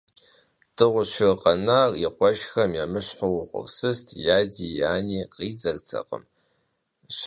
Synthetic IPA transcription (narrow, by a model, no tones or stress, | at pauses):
d̥ɨʁʷʊɕɪrqʼɐnaːriqʷɔʃxɐmjamɨɕħʷʊwʊχʷʊ̰rsɨstʰjaːdiːjaːniːqiːd͡zɐrt͡sʰɐ̰qʼə̰m | ɕ